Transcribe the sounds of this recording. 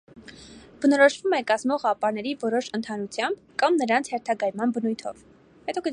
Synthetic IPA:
b̥ənɔɾɔʃvumɛkɑzmɔʁɑpɑɾnɛɾivɔɾɔʃənt̪ʰɑnut͡sʰjɑmb | kɑmnəɾɑnt͡sʰhɛɾt̪ʰɑɡɑjmɑnbənujt̪ʰɔ̰v | hɛt̪ɔɡə

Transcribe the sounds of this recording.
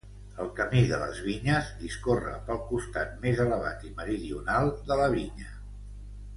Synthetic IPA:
əlˠkəmiðələ̰zβiɲəzðiskorə̰pəlˠkust̪at̪̚mezələβa̰t̪iməɾiðiunalˠd̪ələβiɲə

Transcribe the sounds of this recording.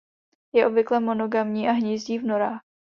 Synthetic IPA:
jɛʔo̞bvɪklɛmo̞no̞ɡamɲiːʔaɦɲiːzɟiːvno̞ɾaːx

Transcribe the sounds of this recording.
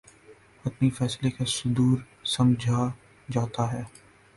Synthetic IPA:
ɐt̪nifɛːslekasʊd̪uːɾ | sɐ̃md͡ʒʱa | d͡ʒaːt̪aɦɛː

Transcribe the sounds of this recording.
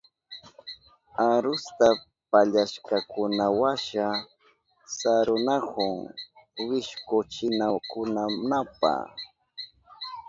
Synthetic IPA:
aɾʊst̪a | paʎaʃkakʊnawaʃa | saɾʊnahʊŋwɪʃkʊt͡ʃɪnakʊnanapa̰

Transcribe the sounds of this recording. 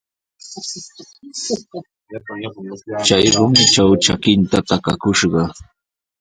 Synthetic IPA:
t͡ʃajɾʊmɪt͡ʃawt͡ʃakɪnt̪at̪akakʊʃɢɑ

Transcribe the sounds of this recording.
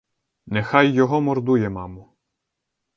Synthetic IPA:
nɛxɑjːɔɦɔmɔrd̪ujɛmɑmʊ

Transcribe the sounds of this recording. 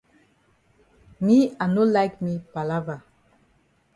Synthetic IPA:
mianulajkmipalava

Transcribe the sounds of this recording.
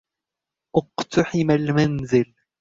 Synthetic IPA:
ʔʊqt̪ɑħɪmalmanzɪl

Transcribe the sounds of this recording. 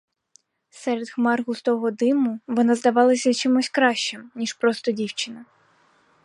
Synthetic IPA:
sɛɾed̪xmɑrɣʊst̪ɔɦɔd̪ɪmʊʋɔnɑzd̪ɐʋɑlˠɐsʲɐt͡ʃimusʲkɾɑʃt͡ʃɪmnʲiʃpɾɔst̪ɔdʲiwt͡ʃɪnɐ

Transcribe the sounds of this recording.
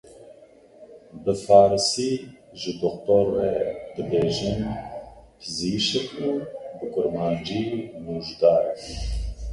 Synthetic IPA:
bɨfaːɾɨsiː | ʒɨd̪ɔxt̪oɾːɛd̪ɨbeːʒin | pʰɨziʃɛkubɨkʊɾmaːnd͡ʒiːmuːʒd̪aːɾɛ

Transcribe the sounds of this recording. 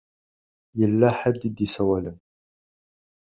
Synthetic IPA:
jəlːæħad̪ːid̪isæwælən

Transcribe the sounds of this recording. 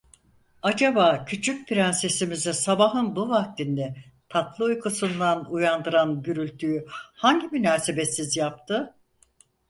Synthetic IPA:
ad͡ʒabaːcʰyt͡ʃʰyc̚pʰiɾænsesimizɛsabaɦɯnbuvak̚t̪ʰind̪ɛt̪ʰat̪lˠɯujkʰusund̪anujand̪ɯɾanɟyɾylʲt̪ʰyjyhaɲɟimynaːse̞be̞sizjap̚t̪ʰɯ

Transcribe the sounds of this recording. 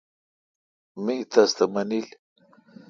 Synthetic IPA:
mit̪ʰast̪ɐmɐnil

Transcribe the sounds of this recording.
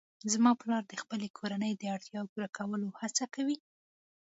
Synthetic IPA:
zmɑpəlɑɾd̪əxpəlekʰoɾanəjd̪əaɽt̪jɑkuɾakʰawəlohat͡sakawi

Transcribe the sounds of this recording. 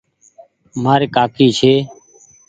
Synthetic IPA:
maːɾeːkaːkiːt͡ʃʰeː

